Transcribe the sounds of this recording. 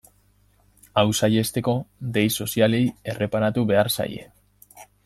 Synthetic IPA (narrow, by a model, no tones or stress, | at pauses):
awsaje̞st̪e̞ko̞d̪e̞jso̞siale̞je̞re̞paɾat̪uβe̞arsa̰je̞̰